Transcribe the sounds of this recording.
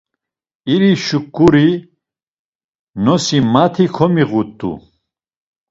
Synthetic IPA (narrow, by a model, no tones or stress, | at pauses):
iɾiʃukʼːuɾi | nɔsimat̪ʰikʰɔmiɣut̪ʼːṵ